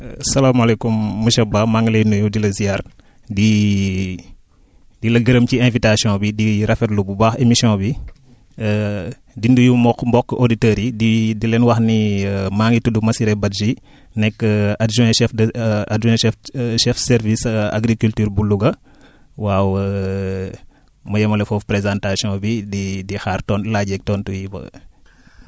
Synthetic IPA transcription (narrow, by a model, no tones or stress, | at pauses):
sɐlamɐlɛkumːuʃɛbamaŋlɛjndujudilɐzijar | di | dilɐɡɐɾəmciɛ̃vitasjɔ̃bidiɾɐfɛɾlububaːxemisɔ̃bi | dindujumɔkmbɔkːoditɛɾididilɛnwɐxnimaːŋɡitudumɐsiɾɛbɐdd͡ʒi | nɛkːəadʒuɛ̃ʃɛfdadʒɛ̃ɛfʃɛfsɛɾvisa̰ɡɾikyltyːɾbuluɡɐ | wawə | mɐjɐmɐlɛfɔfpɾezãntasijɔ̃bididixaːrtɔnlaːɟɛk̚tɔːntujibɐ̰